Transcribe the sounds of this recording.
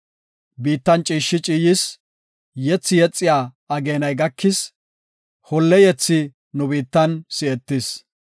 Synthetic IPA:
biːt̪ːɐnt͡ʃʼiːʃːɪt͡ʃʼiːjɪs | jɛt͡sːɪjɛt͡sʼːɪjaː | ɐɡeːnɐjɡɐkʰːɪs | hɔlːɛjɛt͡sːɪ | nʊbiːt̪ːɐnsɪɛt̪ːɪs

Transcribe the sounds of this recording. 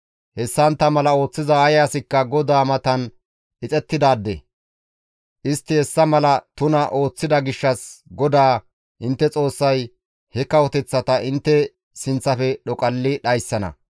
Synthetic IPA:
hɛsːɐnt̪ːɐmɐlɐo̞ːt͡sːɪzɐɐjaːsɪkːɐɡɔd̪aːmɐt̪ɐn | ʔɪt͡sʼɛt̪ːɪd̪aːd̪ːɛ | ʔɪst̪ːɪhɛsːɐmɐlɐt̪ʊnɐʔo̞ːt͡sːɪd̪ɐɡɪʃːɐsɡɔd̪aː | ʔɪnt̪ːɛt͡sʼo̞ːsːɐj | hɛkɐwɔt̪ɛt͡sːɐt̪ɐɪnt̪ːɛ | sɪnt͡sːɐfɛɗɔkʼɐlːɪɗɐjsːɐnɐ̰

